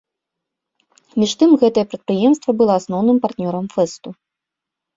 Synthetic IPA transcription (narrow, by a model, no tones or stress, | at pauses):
mʲiʂt̪ɨmɣɛt̪ɐjɐpɾɐt̪̚pɾɨjɛmst̪vɐbɨlˠɔasnɔwnɨmpart̪nʲɔɾɐmfɛst̪u